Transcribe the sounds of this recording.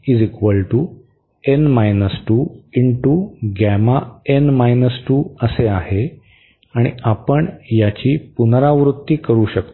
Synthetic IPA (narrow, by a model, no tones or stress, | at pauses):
id͡zikʋəlʈu | enmajnəsʈuːiɳʈuɡæmaenmajnəsʈuːəseaɦe | aɽ̃iapəɳjat͡ɕiːpunɾaʋɾut̪ːiːkəɾuːɕək̚t̪